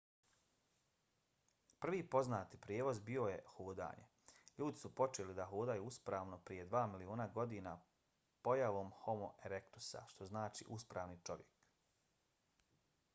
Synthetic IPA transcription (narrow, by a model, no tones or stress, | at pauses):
pr̩ʋiːpo̞znaːt̪ipɾjeːʋo̞zbio̞je̞hoːd̪a̰ːɲe̞̰ | ʎuːd̪isupo̞t͡ʃelid̪aɦoːd̪ajuːuspɾaːʋno̞pɾije̞d̪ʋaːmilioːnaɡo̞d̪iːna | po̞jaʋo̞ːmho̞moʔeɾekt̪u̥sa̰ʃt̪o̞znaːt͡ʃḭːʔuspɾaːʋnit͡ʃo̞ʋje̞k